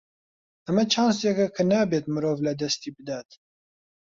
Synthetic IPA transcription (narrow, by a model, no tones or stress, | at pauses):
ɛmɛt͡ʃʰɑːnsjɛkɛkʰɨnɛbeːt̪̚mɨɾoːvlɛd̪ɛst̪iːbɨd̪aːt̪